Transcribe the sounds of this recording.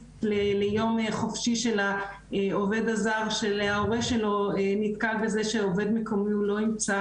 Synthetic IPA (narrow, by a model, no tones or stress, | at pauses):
lelejo̞meχofʃiʃela | eove̞d̪azaʁʃeleaoʁeʃelo̞enit̪kalbe̞zeʃeove̞d̪meko̞miulo̞imt͡sa